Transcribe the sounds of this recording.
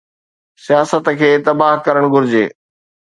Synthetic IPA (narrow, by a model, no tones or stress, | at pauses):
sijaːsət̪kʰeːt̪ɐbaːɦkɐɾəɽ̃ɡʱʊɾɪd͡ʑḛː